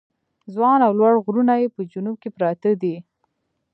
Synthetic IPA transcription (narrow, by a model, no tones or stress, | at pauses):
zwɑnawlwaɽɣɾunajepəd͡ʒunub̚kepɾɑt̪əd̪i